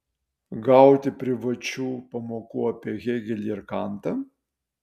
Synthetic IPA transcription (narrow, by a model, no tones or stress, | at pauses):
ɡɐˑʊt̪ʲɪpʲɾʲɪʋɐt͡ʃʲuːpɐmoːkuːɐpʲiɛɣʲɛɡʲɛlʲiɪɾkɑˑnt̪ɐ